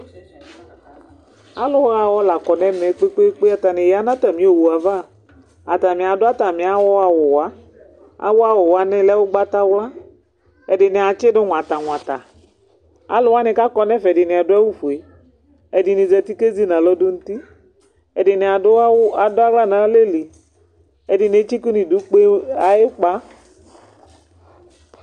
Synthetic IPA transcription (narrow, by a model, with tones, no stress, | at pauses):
a˨lʊ˨wa˦˨wɔ˦la˨kɔ˨nɛ̃˦mɛ˨˦k͡pe˦k͡pe˦k͡pe˦a˨t̪a˨nɪ̃˨ja˦nã˦t̪a˨mĩ˦o˨wu˨a˨va˦˨ | a˨t̪a˨mĩ˨a˨dʊ˦a˦t̪a˨mĩ˨a˨˦wʊ˦a˨wʊ˨wa˦ | a̰˨wʊ˦a˦wʊ˨wa˦nɛ̃˦lɛ˦wʊ˦ɡ͡ba˦t̪a˦wa˦ | ɛ˨dɪ˨nɪ˨a˨t͡ʃɪ˦dʊ˦ŋ̃ʷ˨a˨t̪a˨ŋ̃ʷ˨ã˨t̪a̰˨ | a̰˦lʊ˨wa˦nɪ̃˨ka˦kɔ˦nɛ˦fɛ˨dɪ˨nɪ˨a˨dʊ˦a˦wu˦fu˨e˨ | ɛ˨di˨nĩ˨zɛ˨t̪i˦ke˦zi˦nã˨lɔ˦dʊ˦n̩˦t̪i˦ | ɛ˨dɪ˨n˨a˨ʊ˦a˨dʊ˦a˦ɡ͡bla˦nã˨˦le˦li˨ | ɛ˨dɪ˨n˨e˦t͡ʃi˦ku˦nĩ˨du˦k͡pe˦a˨ɪ˦k͡pa˦